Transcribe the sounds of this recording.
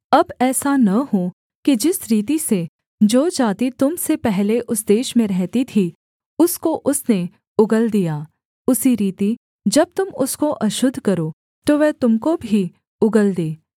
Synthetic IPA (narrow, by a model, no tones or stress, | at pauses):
ɐbɛːsanɐɦo | kid͡ʒɪsɾiːt̪ise | d͡ʒoːd͡ʒaːt̪it̪ʊmsepɛɦleʔʊsd̪eːʃmẽɾɛɦt̪it̪ʰi | ʊskoʔʊsne | ʊɡəld̪ijaː | ʊsiɾiːt̪i | d͡ʒɐb̚t̪ʊmʊskoʔɐʃʊd̪ʱːkɐɾo | t̪oʋɛɦt̪ʊmkobʱi | ʊɡəld̪eː